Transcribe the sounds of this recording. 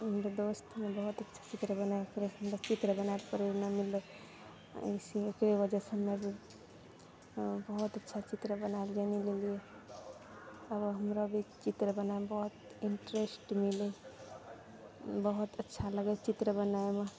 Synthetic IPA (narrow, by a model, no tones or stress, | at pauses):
ɦəmɾod̪ost̪ʰmebəɦut̪ətːʃʰḁt͡ʃit̪ɾəbənaeokɾeəmɾot͡ʃit̪ɾəbənaepəɾiɾnəmile | siekɾewəd͡ʒəsəmːebʱi | bəɦut̪ətːʃʰat͡ʃit̪ɾəbənaeld͡ʒanilelije | əbəɦəmɾobʱit͡ʃit̪ɾəbənaebəɦut̪ | iɳʈɾesʈmile | bəɦut̪ətːʃʰaləɡet͡ʃit̪ɾəbənaeme